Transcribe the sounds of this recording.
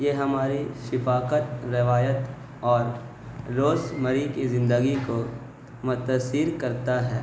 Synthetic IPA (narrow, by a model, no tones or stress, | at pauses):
jeɦɐmaːɾiʃɪfaːkət̪ɾɪʋaːjət̪ | ɔːɾ | ɾoːsməɾikizɪ̃nd̪əɡiko | mʊt̪əsiɾkɐɾt̪aɦɛː